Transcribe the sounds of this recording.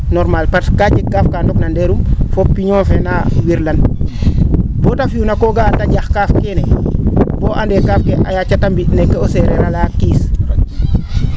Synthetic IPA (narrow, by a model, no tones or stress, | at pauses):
nɔɾmalpaɾskaɟikːafkandɔknandeɾumfopːiɲɔːnfɛnawiɾlan | bɔtafiunakoɡataɟaxkaːfkenɛ | b̥oːʔandɛkaːfkeʔa̰jat͡ʃatambinɛkːeoseɾɛɾalaːkiːs